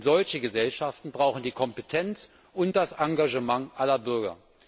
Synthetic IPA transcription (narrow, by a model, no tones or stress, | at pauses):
z̥ɔlçəɡəzɛlʃaftn̩bʁaʊxn̩diːkʰɔmpətʰɛnt͡s | ʔʊnt̚d̥asaŋɡaʒəmaŋʔalɐbʏɐɡɐ̰